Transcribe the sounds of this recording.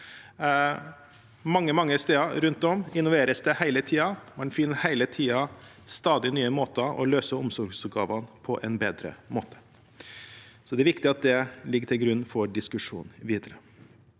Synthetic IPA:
mɑŋːəmɑŋːəst̪eːɑɾʉnt̪ɔmɪnɔʋeːɾəsd̪ɛhæɪlət̪ʰiːɑmɛnfɪnːəhæɪlət̪ʰiːɑst̪ɑːd̪ɪnyːəmoːt̪əʔɔ̰løːsəʊmsɔɾɡsʉt̪̚ɡɑ̰ːʋɑnpʰɔʔɛnbeːd̪ɾə̰moːt̪ʰə̥ | sɔd̪ɛæɾʋɪkt̪ɪɑt̪̚d̪ɛlɪɡːʈ̪ʰɪlɡɾʉnːfɔɖɪskʉʂṵːnʋiːd̪əɾə

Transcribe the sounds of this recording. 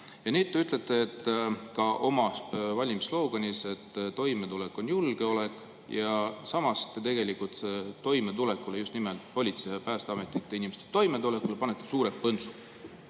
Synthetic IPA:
jɑneːd̪̚ːˑeyt̪ːˑle̞t̪ˑːe̞ːt̪ːkɑʔo̞mɑvɑlʲimislo̞ːɡ̥onise̞t̪ːt̪ːo̞jme̞t̪ulekːˑo̞njulɡ̥e̞o̞lekˑ | jɑsɑmɑst̪ːet̪e̞ɡ̥e̞likult̪set̪o̞jmet̪ule̞kːˑulejust̪nimelt̪ˑpo̞lʲit̪siɑpæːst̪ɑme̞t̪ːˑit̪ːˑeinimest̪e̥t̪o̞jmet̪ule̞kːulpɑnet̪ːˑesuːɾe̞pɤnsu̥

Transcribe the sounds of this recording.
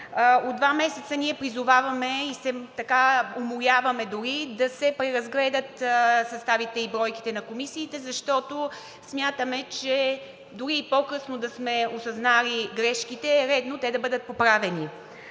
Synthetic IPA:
od̪vamɛsɛt̪səniɛpɾizʊvavɐmɛisɛt̪ɐkaomʊɾʲjavɐmɛd̪ʊɾid̪ɐsɛpɾɛɾɐzɡlɛd̪ət̪sɐst̪avit̪ɛibɾɔjki̥t̪ɛnɐkomisiːt̪ɛzɐʃt̪ɔt̪o | smʲjat̪əmɛt͡ʃɛ | d̪ʊɾiːpokɤsnod̪ɐsmɛosɐznaliɡɾɛʃkit̪ɛɾɛd̪not̪ɛd̪ɐbɤd̪ət̪̚popɾavɛni

